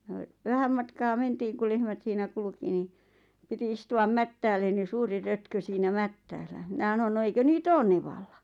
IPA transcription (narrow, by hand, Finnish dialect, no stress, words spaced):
jɑ ʋæhæm mɑtkɑː mentiːŋ ku lehmæt siːnæ kulki ni piti istuɑm mætːæːlːen̆ ni suːri røtkø siːnæ mætːæːlːæ minæ h̆ɑ̆non no eikø niːt oːn neʋɑlːɑ